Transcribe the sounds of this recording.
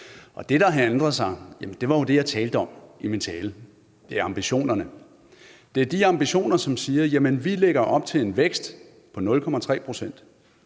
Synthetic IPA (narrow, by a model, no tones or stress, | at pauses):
ʔɒ̽d̥e̝ɾ̥ɑ̈ɦænd̥ʁɐðˠsɑ̈ɪjæmənd̥e̝ʋɑ̈jo̝d̥e̝jɑ̈ɪt͡sʰɛːld̥əɒ̽mimint͡sʰɛːlə | d̥e̝æɐɑ̈mb̥iɕo̝̰ːnɐnə | d̥e̝æɐd̥iɑ̈mb̥iɕo̝̰ːnɐsɒ̽msiːɐjæmənʋileɡ̥ɐʔɒ̽b̥̚t͡sʰe̝le̝nʋeɡ̥sd̥ | pʰɒ̽nɔ̽lkʰɒ̽mæt͡sʰʁɛ̰ːpʰʁo̝sen̰d̥